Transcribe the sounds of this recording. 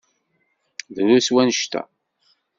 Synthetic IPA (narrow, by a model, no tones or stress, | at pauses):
ðɾuswænəʃt̪æ̰